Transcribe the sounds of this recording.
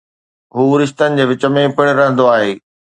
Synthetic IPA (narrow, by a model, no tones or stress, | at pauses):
ɦuːɾɪʃt̪ənɪ̆d͡ʑeːʋɪt͡ɕəmẽpɪɽ̃ɾɐɦə̃n̆d̪oaːɦeː